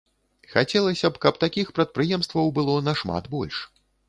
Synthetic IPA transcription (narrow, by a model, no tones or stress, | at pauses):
xat͡sʲɛlˠɐsʲɐpkɐp̚t̪akʲixpɾɐt̪̚pɾɨjɛmst̪vɐwbɨlˠɔnɐʂma̰d̪bɔ̰lʲʂ